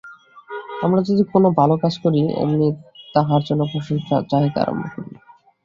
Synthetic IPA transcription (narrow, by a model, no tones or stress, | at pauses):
amɾad͡ʑod̪ikonobʱalokad͡ʑkoɾiḛmnit̪aɦaɾd͡ʑonːopoʃoŋkʰa̰t͡ɕaɦit̪ea̰ɾo̰mbʱo̰koɾini